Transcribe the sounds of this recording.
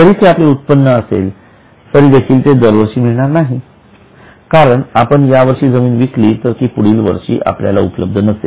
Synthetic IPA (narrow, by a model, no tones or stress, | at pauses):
kəɾiːt̪eapleut̪̚pənːəəsḛl | t̪əɾiːd̪ekʰiːlt̪ed̪əɾʋəɾʂiːmiɭɳ̃aɾnaɦi | kaɾəɳapəɳjaʋəɾʂiːd͡zəmiːnʋikliːt̪əɾk̪iːpuɽ̤iːlʋə̰ɾʂḭːʔa̰plja̰la̰ṵpələb̚d̪ʱənəse